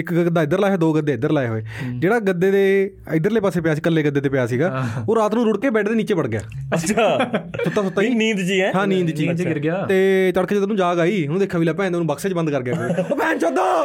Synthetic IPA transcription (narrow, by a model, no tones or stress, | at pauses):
ɪkɡəəd̪aːɪd̪əɾlaːɦɛːd̪oːɡəd̪eːɪd̪əɾlaːeɦoːeːd͡ʒeːɽaːɡəd̪ːeːd̪eː | ɪd̪əɾleːpaːseːpɪjaːsiːkəlːeːɡəd̪eːt̪eːpɪjaːsiːɡaːoːɾːaːt̪nũːɾʊɽkeːbɛːʈʰd̪eːniːt͡ʃeːpəɽɡɪja̰ːət͡ʃʰasʊtsaːsʊt̪ːaːiːniːd̪t͡ʃiːɛ̃ɦãːnĩːnd̪t͡ʃiːɡt̪eːt͡ʃəɽkeːd͡ʒed̪nũːd͡ʒaːɡaːiːnũːd̪eːkʰːaːʋiːlaːpɛ̃ːonũːbəkseːt͡ʃbə̃nd̪kəɾɡɪjaːoːpɛːnt͡ʃoːd̪aː